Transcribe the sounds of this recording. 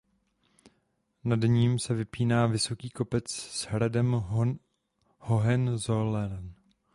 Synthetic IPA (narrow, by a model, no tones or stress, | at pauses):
nadɲiːmsɛvɪpiːnaːvɪso̞kiːko̞pɛt͡sz̥ɦɾadɛm | hoɦɛnzolɛɾn